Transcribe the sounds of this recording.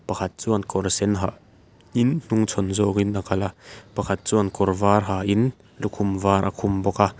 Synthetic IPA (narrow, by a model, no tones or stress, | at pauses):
pɐkʰɐt̪̚t͡suːɐnkɔrsɛnɦaʔ | ʔinn̥uŋt͡sʰɔnzɔːkinakɐlapɐkʰɐt̪̚t͡suɐnkɔrvaːrɦaːʔin | lukʰumvaːɾʔa̰kʰumbɔka